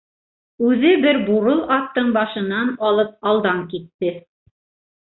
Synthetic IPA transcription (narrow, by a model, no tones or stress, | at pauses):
ʉðɘbɘɾbuɾɤlˠɑt̪ːɤɴbɑʃɤ̆nɑnɑlˠɤp̚ɑlˠd̪ɑŋkit̪ːɘ